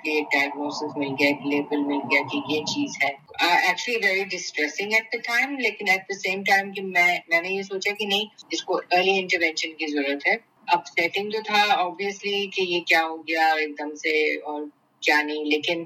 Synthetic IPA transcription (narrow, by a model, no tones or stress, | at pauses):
kieːk̚ɖaɪəɡ̚noːsɪsmɪlɡɐjaekleːbəlmɪlɡijakijet͡ʃiːzɦɛː | æk̚t͡ʃuəliʋɛɾiɖɪsʈɾɛsɪ̃ŋɡɛʈ̚d̪əʈãɪ̃mleːkɪ̃nɛʈ̚d̪əsẽːmʈãɪ̃mkimɛ̃mɛ̃ːnejesoːt͡ʃakinɐɦĩɪskoəːɾliɪ̃ɳʈəɾʋɛ̃nʃə̃nkizɐɾuːɾət̪ɦɛː | ɐbsɛʈɪ̃ŋɡt̪ot̪ʰaɔːbiəslikejekjaːɦoɡɐjaɔɾeːk̚d̪əmseɔːɾ | kjaːnɐɦĩleːkɪ̃n